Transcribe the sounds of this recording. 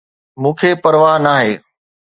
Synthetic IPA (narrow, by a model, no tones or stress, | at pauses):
mũːkʰeːpɐɾʋaːɦnaːɦeː